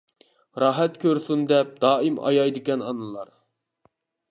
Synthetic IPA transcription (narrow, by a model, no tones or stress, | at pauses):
ɾɑɦɛt̪kʲøɾsund̪ɛp̚d̪̥ɑːimɑ̰jɑjd̪ɪkʲɛnɑnɨlˠɑ̰ɾ